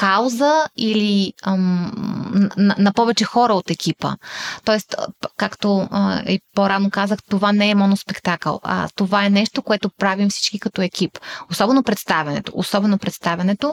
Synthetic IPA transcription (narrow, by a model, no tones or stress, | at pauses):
kawzəili | nnnɐpɔvɛt͡ʃɛxɔɾəot̪ɛkʰʲipə̰t̪ɔɛst̪kakt̪oipoɾanokazəxt̪ovanɛːmɔnospɛkt̪akə̰l̰ˠt̪ovaɛnɛʃt̪okoɛt̪opɾavimfsi̥t͡ʃkikɐt̪ɔɛkʲiposɔbɛnopɾɛt̪st̪avʲɐnɛ̰t̪o̰ʔosɔbɛnopɾɛt̪st̪avʲɐnɛt̪o